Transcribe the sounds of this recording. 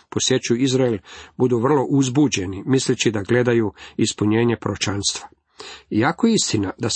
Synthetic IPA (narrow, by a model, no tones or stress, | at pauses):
posje̞t͡ʃuizɾaelbud̪uʋr̩lˠo̞ʔuzbud͡ʑe̞nimislit͡ɕid̪aɡle̞d̪ajuispuɲe̞ːɲe̞pɾot͡ʃanst̪ʋa | jakojeist̪inad̪a